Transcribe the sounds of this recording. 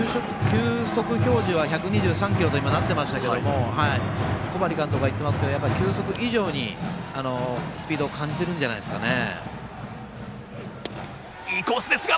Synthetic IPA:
ɕokɯ̥kʲɨːso̞kɯ̟ço̞ːʑiβaçakɯ̟ɲ̟iʑɨːsãŋkʲiɾo̞t̪o̞imanat̪ːe̞maɕi̥t̪ake̞d̪o̞mo̞haiko̞baɾʲikãnt̪oɡait̪ːe̞masɨ̥ke̞d̪ojapːaikʲɨːso̞kɯ̟ʔiʑo̞ːɲ̟ḭano̞sɨ̥pʲiːd̪o̞ːkʰãɲ̟d͡ʑit̪e̞ɾɯ̟̃ɲd͡ʑanaisɨ̥kane̞̰ | kosɨd̪esɨɡa

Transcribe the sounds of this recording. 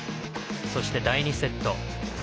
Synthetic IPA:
so̞ɕi̥t̪e̞d̪aiɲ̟ise̞t̪ːo̞

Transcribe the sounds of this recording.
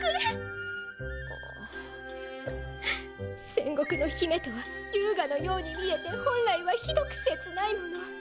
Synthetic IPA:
kɯɾe | o̰ | sẽ̞ŋɡo̞kɯ̟no̞çime̞t̪o̞βajɯːɡano̞jo̞ːɲ̟imʲie̞t̪e̞hõ̞nɾaiβaçid̪o̞kɯ̥se̞t͡sɨnainojo

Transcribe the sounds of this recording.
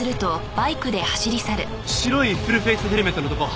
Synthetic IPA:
ɨɾɯ̟t̪o̞b̥aikɯ̟d̪e̞haɕiɾʲisaɾɯ̟ | ɕiɾo̞iɸɯɾɯ̟ɸesɨɦeɾɯmet̪ːonot̪oko

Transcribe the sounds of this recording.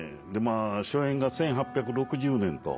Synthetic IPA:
d̪e̞maːɕoẽ̞ŋɡasẽɰ̃ɦapʲːjakɯ̟ɾo̞kɯ̟ʑɯːnẽ̞nt̪o̞̰

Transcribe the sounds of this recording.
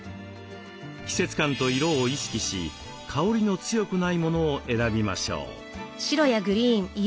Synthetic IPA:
çʲi̥se̞t͡sɨ̥kãnt̪o̞iɾo̞ːiɕi̥kʲiɕḭ | kʰao̞ɾʲino̞t͡sɨjo̞kɯ̟naimo̞no̞ːʔe̞ɾabʲima̰ɕo̞̰ː | ɕiɾo̞jaɡɯ̟ɾʲiːɴi

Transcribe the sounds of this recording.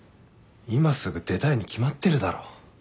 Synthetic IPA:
imasɨɡɯ̟d̪e̞t̪aiɲ̟ikʲimat̪ːe̞ɾɯ̟d̪aɾo̞ː

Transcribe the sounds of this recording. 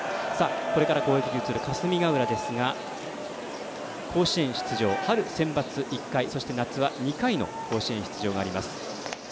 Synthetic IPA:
saːko̞ɾe̞kaɾaɡo̞ːekʲiɾʲɯ̟ːt͡sɨːɾɯkasɨmʲiɡaɯ̟ɾad̪e̞sɨɡa | kʰo̞ːɕiẽ̞ɰ̃ɕi̥t͡sɨʑo̞ːhaɾɯ̟sẽ̞mbat͡sɨʔikːaiso̞ɕi̥t̪e̞nat͡sɨβaɲ̟ikaino̞̰ko̞ːɕiẽ̞ɰ̃çi̥t͡sɨʑo̞ːɡaːɾʲimasɨ̥

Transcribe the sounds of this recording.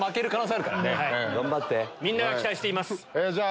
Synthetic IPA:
make̞ɾɯ̟kanoseaɾɯ̟kaɾanehaiɡãmbat̪ːe̞mʲĩnːaɡakʲt̪aiɕi̥t̪e̞imasɨ̥ed͡ʑaː

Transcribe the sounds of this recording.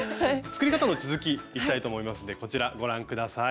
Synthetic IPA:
t͡sɨ̥kɯɾʲikat̪ano̞t͡sɨzɨkʲiːki̥t̪ait̪o̞ːmo̞imasɨnd̪eko̞t͡ɕiɾaɡo̞ɾãŋkɯ̟d̪asa

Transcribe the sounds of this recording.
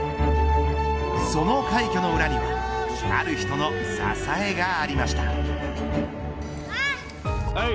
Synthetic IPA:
so̞no̞kaikʲo̞no̞ɯ̟ɾaɲ̟iβaa̰ɾɯ̟çi̥t̪o̞no̞sa̰sae̞ɡaːɾʲimaɕi̥t̪a

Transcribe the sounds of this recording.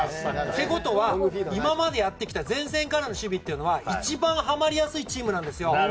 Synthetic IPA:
t̪e̞ɡo̞t̪o̞βaimamad̪e̞jat̪ːe̞kʲi̥t̪azẽ̞ɰ̃s̬ẽ̞ŋkaɾano̞ɕɨbʲit̪ːe̞iɯ̟no̞βait͡ɕibãɰ̃ɦamaɾʲijasɨit͡ɕiːmɯnãnd̪e̞sɨjo̞

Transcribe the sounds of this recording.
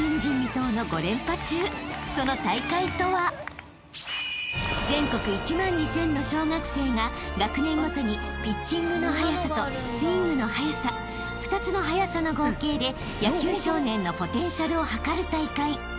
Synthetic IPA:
ĩɲ̟d͡ʑĩmːʲit̪o̞ːno̞ɡo̞ɾẽ̞mpat͡ɕɨːso̞no̞t̪aikait̪o̞βa | zẽ̞ŋko̞kɯ̟it͡ɕimãɲ̟ːisẽ̞nːo̞ɕo̞ːŋakɯ̟̥se̞ːŋaɡakɯ̟nẽ̞ŋːɡo̞t̪o̞ɲ̟ipʲit͡ɕːĩŋɡɯ̟no̞hajasat̪o̞ | sɨiŋɡɯ̟no̞hajasa | ɸɯ̥t̪at͡sɨno̞ɦajasano̞ɡoke̞ːd̪e̞ | jakʲɨːɕo̞ːnẽ̞nːo̞po̞t̪ẽ̞ɰ̃ɕaɾɯ̟o̞hakaɾɯ̟t̪aikai

